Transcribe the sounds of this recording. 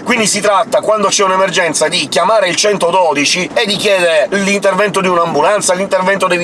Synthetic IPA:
kwind̪isit̪ɾat̪ːakwand̪ot͡ʃɛunemerd͡ʒɛnt̪sad̪ikjamaːɾeilt͡ʃɛnt̪od̪ɔːd̪it͡ʃied̪ːikjɛːd̪eɾelint̪ervɛnt̪od̪iunaːmbulant̪salint̪ervɛnt̪od̪e

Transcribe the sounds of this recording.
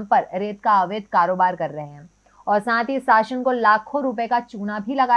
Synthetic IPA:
mpɐɾɾeːt̪kaɐʋeːd̪̚ʱkaːɾoːbaːɾkɐɾːɐɦeɦɛ̃ | ɔːɾsãːt̪isaːʃənkolaːkʰoɾupekat͡ʃuːnabʱilɐɡaː

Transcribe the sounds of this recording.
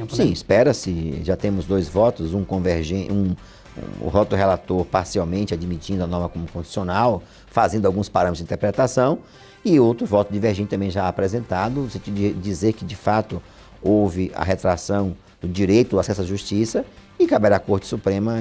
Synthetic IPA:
ssĩispɛɾɐsɪʒat̪ẽmʊzd̪ojzvɔt̪ʊzũkõveɾʒẽṵ̃ | vɔt̪ʊd̪ʊɦelat̪oɾpaɾsiawmẽnt͡ʃɪad͡ʒmit͡ʃĩnd̪ʊɐnɔɾmɐkõmʊkõʃt͡ʃi̥sionaw | fazẽnd̪awɡũspaɾɐ̃mɪt̪zd͡ʒĩt̪eɾpɾɛt̪asɐ̃w̃ | ɪowt̪ɾʊvɔt̪ʊd͡ʒiveɾʒẽnt͡ʃɪt̪ɐ̃mbẽj̃ʒaaːpɾɛzẽnt̪ad̪ʊʊsẽt͡ʃid̪ʊd͡ʒɪd͡ʒizeɾkɪd͡ʒɪfat̪ʊ | owvɪʔɐ̰ɦet̪ɾasɐ̃w̪̃ | ʊd͡ʒiɾejt̪ʊdasɛsʊaʒust͡ʃisɐ | ɪkabɛɾakoɾt͡ʃɪ̥supɾẽmɐ

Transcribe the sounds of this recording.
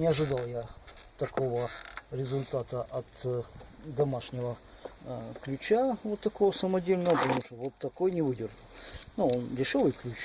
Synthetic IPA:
nʲɪɐʐɨd̪alˠjat̪ɐko̞vəɾʲɪzʊlʲt̪at̪əʔɐt̪ | d̪ɐmaʂnʲɪvə | klʲʉt͡ɕavot̪ːɐkovəsəmɐdʲelʲnəʋəpət̪ɐmuʂt̪ovot̪ːɐko̞jnʲɪvɨdʲɪrʐəlˠnuondʲɪʂo̞vɨjklʲʉt͡ɕ

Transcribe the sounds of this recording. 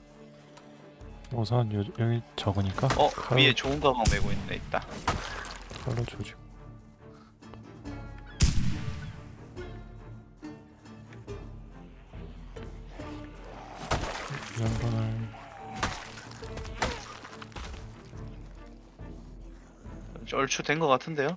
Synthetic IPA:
osʰʌnjojʌɡit͡ɕʌɡɯɲik͈aʌkɯʌiet͡ɕoɯnɡamaŋmeɡoinːɯndeit̚t͈a | kʌɭːot͡ɕod͡ʑiɡo | jʌnbunɯɭ | t͡ɕʌɭt͡ɕʰudwe̞nɡʌk͈atʰɯnde̞jo

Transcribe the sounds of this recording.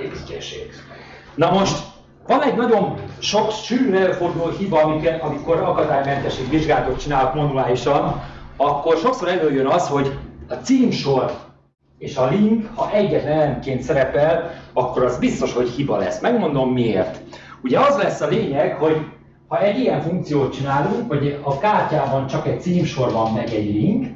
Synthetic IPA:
epikɛʃeːɡ | nɒmo̞ʃt̪ | vɒnɛɟnɒɟo̞nʃo̞kʃyːrrɛlford̪ulhibɒɒmikɛt̪ɒmiko̞ɾɒkɒd̪aːjmɛnt̪ɛʃeːɡʋiʒɡaːlɒt̪ot̪̚t͡ʃinaːlɒkmɒnuaːliʃɒnɒkːo̞rʃo̞kso̞ɾɛløjønɒsho̞ɟɒt̪siːmʃo̞r | eːʃɒliŋkhɒʔɛɟːɛt̪nɛlɛnkeːnt̪sɛɾɛpɛlɒkːo̞ɾɒzbist̪o̞ʃho̞chibɒlɛ̰smɛɡmo̞n̪d̪o̞mːiḛːrt̪ | uɟɛɒzlɛsːɒleːɲɛkho̞ɟ | hɒɛɟijɛɱfuŋk̚t̪sijoːt̪̚t͡ʃinaːluŋkho̞ɟɒkaːrcaːbɒnt͡ʃɒkɛc̚t̪siːmʃo̞rbɒmːɛɡɛɟliŋk

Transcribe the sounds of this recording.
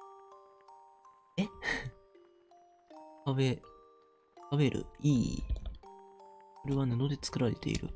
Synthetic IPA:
e | aβe | kaβe̞ɾʔɯ̟̰iː | oɾe̞βanano̞d̪e̞t͡sɨ̥kɯ̟ɾaɾe̞t̪e̞̰ḭɾɯ̟̰

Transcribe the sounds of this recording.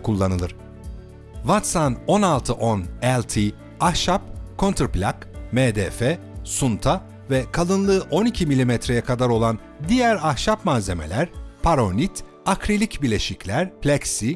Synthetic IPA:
kʰulˠːanɯlˠɯɾ̥ | vat̪sano̞nalˠt̪ʰɯʔo̞nɛlʲt̪ʰi | ahʃap̚kʰo̞nt̪ʰɾplʲakmeːd̪ɛfɛsunt̪ʰa | vɛkʰalˠɯnlˠɯʔo̞nicʰimilʲimɛt̪ɾe̞jɛkʰad̪aɾo̞lˠan | d̪ijæɾahʃapmaːze̞me̞̰lʲæɾpʰaɾo̞nit̪ | akɾilʲicbilʲe̞ʃiclʲæɾpʰlʲɛksi

